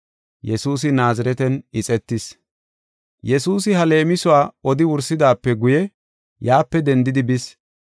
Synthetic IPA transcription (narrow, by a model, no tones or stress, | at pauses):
jɛsuːs̬ɪnaːzɐɾɛt̪ɛnɪt͡sʼɛt̪ːɪs | jɛsuːsɪɦɐle̞ːmɪsʊwaːɔd̪ɪwʊɾsɪd̪aːpːɛɡʊjɛ | jaːpːɛd̪ɛnd̪ɪd̪ɪbɪs